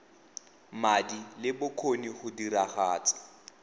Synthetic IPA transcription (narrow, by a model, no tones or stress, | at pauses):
madilɪbʊkʰoniχʊdiɾaχaːt͡sʼḁ